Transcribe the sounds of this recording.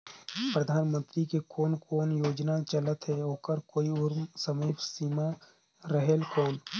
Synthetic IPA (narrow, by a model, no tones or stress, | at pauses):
pɾəd̪ʱaːnmə̃nt̪ɾikekɔːnkoːnjoːd͡ʒnat͡ʃələt̪ɦɛɦoːkəɾkoːiʊɾmsəmeːfsiːma | ɾəɦeːlkɔːn